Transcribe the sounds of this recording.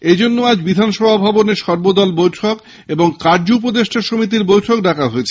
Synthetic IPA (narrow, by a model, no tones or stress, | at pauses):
ed͡ʑonːoad͡ʑbid̪ʱanʃɔbʱabʱaboneʃɔɾbod̪ɔlbojʈʰok | eboŋkaɾd͡ʑoup̬od̪eʃʈʰaʃomit̪̬iɾbojʈʰok̚ɖakʰaɦoet͡ɕʰe̥